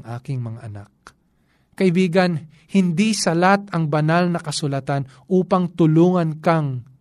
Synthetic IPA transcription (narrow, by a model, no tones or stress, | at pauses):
ŋʔa̰ːkɪŋmɐŋaʔɐna̰k̚ | kɐʔɪbiːɡɐn | hɪnd̪isɐlat̪ɐŋbɐnalnɐkɐsʊlɐt̪an | ʔuːpɐŋt̪ʊluːŋɐnkɐŋ